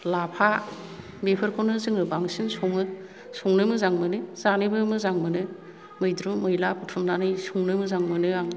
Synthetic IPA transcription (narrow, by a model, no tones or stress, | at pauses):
lapʰa | bepʰɯɾkʰonɯzɯŋɾɯbaŋsinsoŋɯ | soŋnɯmɯzaŋmɯnɯz̥anɯbɯmɯzaŋmɯnɯ | mɯjdɾumɯjlapʰutʰumnanɯjsuŋnɯmɯzaŋmɯnɯaŋ